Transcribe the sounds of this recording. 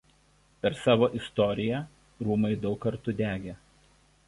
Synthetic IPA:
pʲɛɾsɑːʋoːʔɪst̪ɔːɾʲɪjæ | ɾuːmɐɪd̪ɒʊkːɐɾt̪ʊd̪ʲæːɡʲeː

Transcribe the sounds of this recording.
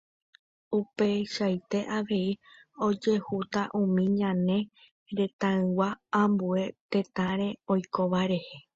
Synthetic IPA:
upe̞ʃajt̪e̞ʔaʋe̞io̞d͡ʒe̞hut̪aʔũmĩɲãnẽ̞ | ɾe̞t̪ãɨ̃waãmbue̞t̪ẽ̞t̪ãɾe̞ojko̞ʋaɾe̞he̞

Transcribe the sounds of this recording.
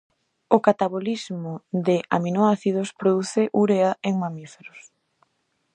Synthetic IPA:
okat̪aβolizmʊd̪eʔa̰minoaθiðospɾoðuθɪʔuɾeaeŋmamifeɾos

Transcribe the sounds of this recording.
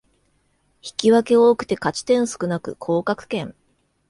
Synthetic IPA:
çi̥kʲiβake̞oːkɯ̟̥t̪e̞kat͡ɕi̥t̪ẽ̞ɰ̃sɨ̥kɯ̟nakɯ̟̰kʰo̞ːkakɯ̟̥kẽ̞ŋ

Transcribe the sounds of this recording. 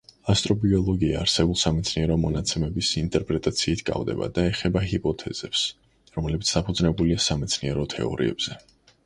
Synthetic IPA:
ast̪ʼɾɔbiɔlˠɔɡiaːɾsɛbulˠsamɛt̪sʰniɛɾɔmɔnat̪sʰɛmɛbisint̪ʼɛɾpʼɾɛt̪ʼat̪sʰiːt̪ʰɡʼa̰vd̪ɛ̰ba̰d̪aɛχɛbaɦipʼɔt̪ʰɛz̥ɛps | ɾɔmlɛbit̪sʰd̪̥apʰud̪znɛbuliasamɛt̪sʰniɛɾɔt̪ʰɛ̰ɔ̰ɾḭɛ̰bz̥ɛ

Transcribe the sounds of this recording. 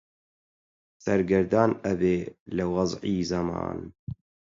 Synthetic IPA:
sɐɾɡəɾd̪ɑːnəbeːlɨwɑzʕiːzɐmɑ̰ːn

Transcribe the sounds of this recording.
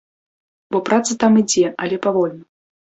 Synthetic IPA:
bɔpɾat̪sɐt̪amid͡zʲɛɐlʲɛpavɔlʲnɐ

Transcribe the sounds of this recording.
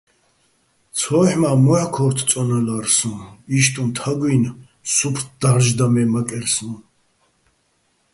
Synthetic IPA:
t͡sʰɔːħmaːmuʕakʰɔɾt̪ʰt͡s̪ʼɔnalaɾsũniʃt̪ʼũnt̪ʰaɡin | supʰd̪̥aʁʒd̪amɛmakʼɛɾsnũ

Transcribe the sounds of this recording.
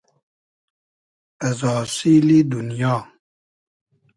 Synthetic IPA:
azɔsilidunijɔ

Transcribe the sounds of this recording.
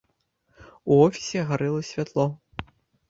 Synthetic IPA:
uɔfʲi̥sʲɛɐɣaɾɛlˠɐsʲvʲat̪lˠɔ

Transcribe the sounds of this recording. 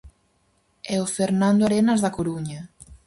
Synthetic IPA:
ɛofeɾnãnd̪oaɾenazðakoɾuɲa

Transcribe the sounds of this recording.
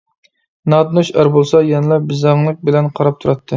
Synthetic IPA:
nɑd̪ɨnuʃæɾbolˠsɑjɛnɨlˠɑbɪzɑŋlˠɨk̚bɪlɛnqʰɑɾɑp̚t̪ʰuɾɑt̪ʰːɨ

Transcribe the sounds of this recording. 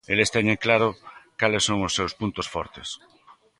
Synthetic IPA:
elest̪ɛɲeŋklaɾʊkalɪsːoŋʊsːewspunt̪ʊsfɔɾt̪ɪs

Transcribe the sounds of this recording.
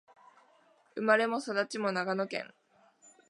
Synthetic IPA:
ɯ̟maɾe̞mo̞sad̪at͡ɕimo̞naɡano̞kẽ̞̰ŋ

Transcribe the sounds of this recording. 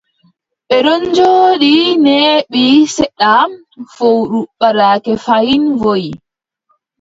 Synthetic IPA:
ɓɛɾɔɲd͡ʒoːɗineːɓisɛɗa | fowɗuɓːaɾaːkɛfajinvoj

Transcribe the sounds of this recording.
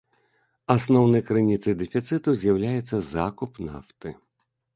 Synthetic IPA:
asnɔwnɐjkɾɨnʲit̪sɨjd̪ɛfʲit̪sɨt̪uzʲjawlʲajɛt̪sːɐzakupna̰ft̪ɨ

